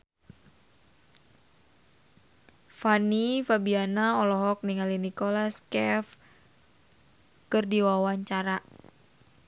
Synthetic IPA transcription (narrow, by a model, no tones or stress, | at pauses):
fanifabianaɔlɔɦɔk̚niŋalinikɔlaskɛf | kɨrdiwawaɲt͡ʃaɾa